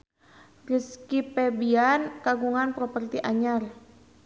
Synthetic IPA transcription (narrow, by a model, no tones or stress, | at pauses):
riskipɛbiankaɡuŋanpɾɔpərt̪iʔaɲar